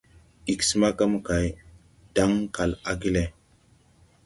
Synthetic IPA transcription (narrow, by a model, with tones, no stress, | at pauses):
i˨ksi˦ma˦ka˦mu˦ka˨j | d̥a˦ŋka˨la˦ɡi˦le˨